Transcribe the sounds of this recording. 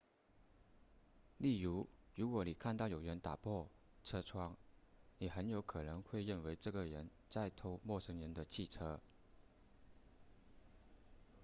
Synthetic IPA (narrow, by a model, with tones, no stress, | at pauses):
li˥˩ɻu˧˥ɻu˧˥kwɔ˧˥ni˨˩kʰa˥˧nt̪ɑ˥˩ʊjo˨˩ʊɻə˧˥nt̪a˨˩pʰwɔ˥˩ | ʈ͡ʂʰɤ˥ʈ͡ʂʰwɑ˥ŋni˨˩xə˧˥njo˧˥ʊkʰɤ˨˩nɤ˧˥ŋxwe˥˧ɪɻə˥˩nwe˧˥ɪʈ͡ʂɤ˥˩ɡə˩ɻə˧˥n | t͡sa˥˧ɪt̪ʰo˥ʊmwɔ˥˩ʂɤ˧˥ŋɻə˧˥nd̪ə˧t͡ɕʰi˥˩ʈ͡ʂʰɤ˥